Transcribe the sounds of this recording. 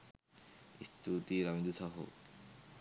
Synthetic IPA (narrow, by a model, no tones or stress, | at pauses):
ist̪ʰut̪iɾamid̪usaɦo̰